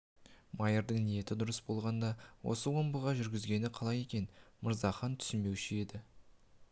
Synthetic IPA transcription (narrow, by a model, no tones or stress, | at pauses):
mɑjəɾd̪əɴnije̞t̪ɪd̪ʊɾəsbo̞lˠʁɑnd̪ɑwo̞̰səwo̞mbəʁɑʒʏɾɡʲɪzɡʲe̞nɪqʰɑlˠɑje̞kʲe̞nməɾzɑχɑnt̪ʰʏ̥sɪnbe̞wʃɪe̞d̪ɪ